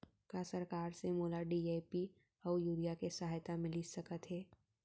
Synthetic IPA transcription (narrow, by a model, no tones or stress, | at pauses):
kasɐɾkaːɾsemoːlaɖiːeːpi | ɔːjuːɾijakesɐɦaːjt̪amɪlisɐkət̪ɦɛː